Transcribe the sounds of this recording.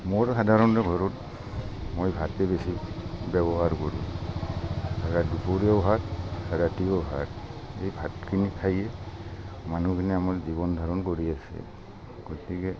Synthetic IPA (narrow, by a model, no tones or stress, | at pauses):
moɹɦadʱaɹɔnɹɛɡʱɔɹɔt | mojbʱatɛbesibɛbɔɦaɹkɔɹu | aɡadupʰoɹiɔbʱataɾatiɔbʱa̰tejbʱatkʰinikʰajɛ | manukʰiniamaɹziβɔndʱaɹɔnkoɹiasɛ̰ | ɡ̥otikɛ